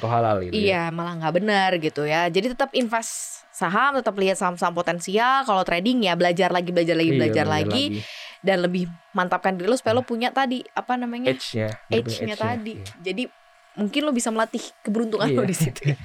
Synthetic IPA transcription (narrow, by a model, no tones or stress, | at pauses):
t̪oɦalalḭijamalahŋɡabənərɡit̪ujad͡ʒadit̪ət̪əpinfɛsː | aɦamt̪ət̪əp̬liat̪saɦamsaampot̪ɛnsialkalot̪ɾedɪŋjabəlad͡ʒarlaɡibəlad͡ʒarlaɡibəlabd͡ʒarlaɡidanləbɪhmant̪ap̚kandiɾilosu̥pajalopuɲaʔt̪adiapanamaɲat͡ʃaet͡ʃɲat̪adid͡ʒadi | muŋkɪnlobisaməlat̪ɪhkəbəɾunt̪uŋanodisit̪uj